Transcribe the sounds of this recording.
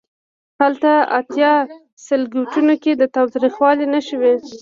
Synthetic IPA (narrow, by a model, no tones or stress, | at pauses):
halt̪aa̰t̪jɑ | sɪlɡuʈunoked̪ət̪ɑwt̪ɾixwɑlinaʃəwe